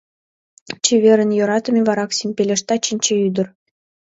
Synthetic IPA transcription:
t͡ɕeβʲeɾə̆njŏɾɑt̪ə̆mʲeβɑɾɑksimʲpʲelʲeʃt̪ɑt͡ɕinʲt͡ɕeyd̪ə̆r

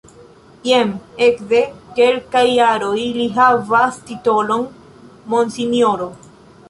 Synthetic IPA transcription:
jeme̞kde̞ke̞lkajːaɾo̞jliɦavastito̞lo̞n | mo̞nsinjoɾo̞

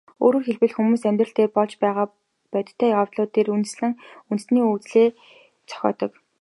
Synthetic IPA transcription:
o̰ːɾoːrxeɮpɘ̆ɮxumuːsæmʲt̪rə̆ɬt̪ʰeːpɔɮt͡ɕpæːʁaː | pœt̪ʰt̪ʰːæːjawt̪ɮʊːt̪ːeːɾunt̪̆sɮɘ̆ŋunt̪̆sniːut͡sɮeː | t͡sʰɔ̥xʲɔ̰ːt̪ɞ̆k

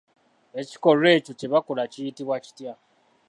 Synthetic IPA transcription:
et͡ʃi̥kɔɾet͡ʃut͡ʃebakʊlat͡ʃiitiwat͡ʃi̥tia

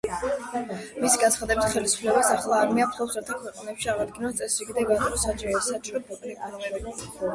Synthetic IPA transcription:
misiɡant̪sʰχad̪ɛbit̪χɛlisu̥pʰlɛbasaχlˠaːɾmiapʰχɔpˠsaɾt̪ʰakʰwɛqʼanɛpʃiaʁad̪ɡinɔnt̪sʼɛsɾikʼid̪ɛɡat̪ʼɾɔsat͡ʃʼɾɔɛssat͡ʃʼɾɔpʰɔkʼliʔʼaɾɛ

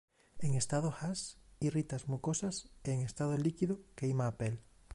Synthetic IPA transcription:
eŋest̪að̞oxasirit̪azmukosaseːŋest̪að̞olikiðokeimaːpel

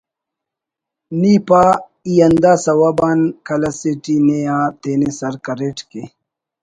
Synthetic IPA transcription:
niːpa | ijɐnd̪aːsɐwabaːnkɐlɐseʈineaːt̪eːnesɐɾkɐɾeʈke

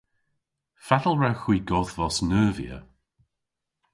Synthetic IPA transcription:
fadəlˠɹawxwiːɡɔðvɔsnəːvḭə̰

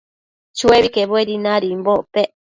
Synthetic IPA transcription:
t͡ʃueβikeβoeɾinaɾimboʔpeʔ

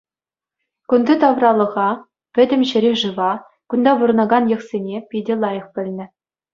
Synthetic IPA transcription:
kund̪ɤt̪ɑʋrɑlˠɤ̆ʁɑ | pʲɘ̆dʲɘ̆mɕɘ̆ɾʲeʐɯʋɑ | kund̪ɑbuɾɤ̆nɑɡɑnjɤ̆χsʲenʲepʲidʲɘ̆lˠɑjɤ̆χpʲɘ̆lʲnʲɘ̆

